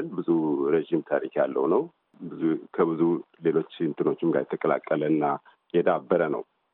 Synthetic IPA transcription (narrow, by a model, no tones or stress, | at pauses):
lbɨzuɾeʒimt̪ʰaɾikjalːə̰wunəw | bkʰəbɨzu | le̞lo̞t͡ʃːɨnt̪ʰɨno̞t͡ʃːɪmɡa̰ɾjɛt̪ʰəkʼəla̰kʼːələɨnːa | jɛd̪abːəɾənə̰w